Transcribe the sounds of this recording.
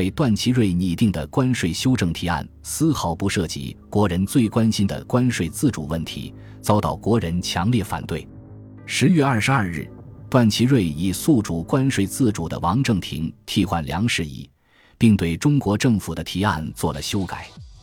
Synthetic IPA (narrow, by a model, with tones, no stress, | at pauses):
we˥˩ɪt̪wa˥˩nt͡ɕʰi˧˥ɻwe˥˩ɪni˧˩t̪i˥˩ŋd̪ə̰˩kwa˥nʂwe˥˩ɪɕjo˥ʊʈ͡ʂɤ˥˩ŋt̪ʰi˧˥a̰˥˩nsɹ̩˥xɑ˧˥ʊpu˧˥ʂɤ˥˩t͡ɕḭ˧˥kwɔ˧˥ɻə˧˥nt͡swe˥˩ɪkwa˥nɕi˥nd̪ə̰˨˩kwa˥nʂwe˧˥ɪt͡sɹ̩˥˩ʈ͡ʂṵ˨˩wə˥˩nt̪ʰḭ˧˥ | t͡sɑ˥ʊt̪ɑ˥˩ʊkwɔ˧˥ɻə˧˥nt͡ɕʰjɑ˧˥ŋljɛ˥˩fa̰˨˩nt̪we˥˩ɪ | ʂɻ̩˧˥ɥɛ˥˧ɐ˞˥˩ʂɻ̩˧˥ɐ˞˥˧ɻɻ̩˥˩t̪wa˥˩nt͡ɕʰi˧˥ɻwe˥˩ɪi˨˩su˥˧ʈ͡ʂu˨˩kwa˥nʂwe˧˩ɪt͡sɹ̩˥˩ʈ͡ʂu˨˩d̪ə̰˦wɑ˧˥ŋʈ͡ʂɤ˥˩ŋt̪ʰḭ˧˥ŋt̪ʰi˥˧xwa̰˥˩nljɑ̰˧˥ŋʂɻ̩˥˧ḭ˥˩ | pi˥˧ŋt̪we˥˩ɪʈ͡ʂʊ˥ŋkwɔ˧˥ʈ͡ʂɤ˥˩ŋfu˨˩d̪ə˦t̪ʰi˧˥a̰˥˧nt͡swɔ˥˩lə˩ɕjo˥ʊka˨˩˦ɪ